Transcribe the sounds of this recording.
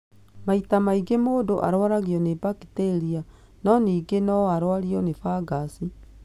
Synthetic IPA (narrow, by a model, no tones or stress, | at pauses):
maitamaiɡemoːdoʔa̰ɾwaɾaɣiɔnebakiteɾia | nɔniːɡenɔaɾwaɾiɔnefaɡasi